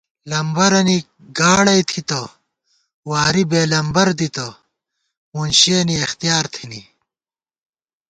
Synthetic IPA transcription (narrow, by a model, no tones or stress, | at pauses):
lɐmbɐɾɐni | ɡaːɽɐjt̪ʰit̪ɐ | waːɾibeːlɐmbɐɾd̪it̪ɐ | munɕeniɐxt̪ijaːɾt̪ʰinḭ